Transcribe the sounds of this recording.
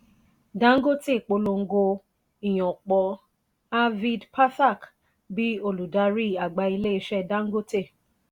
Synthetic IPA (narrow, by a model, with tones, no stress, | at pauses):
dã˦ŋ̩˦ɡo˦te˦˨k͡po˧lo˧ŋ̩˦ɡo˧ | i˨j̃ɔ̃˨k͡pɔ˧ | a˦vi˧dpʰa˦sa˦˨k | bi˦o˦˨lu˨da˧˦ɾi˦˨a˨ɡ͡ba˧˦i˧le˦i˧˦ʃɛ˦dã˦ŋ̩˦ɡo˦te˦˨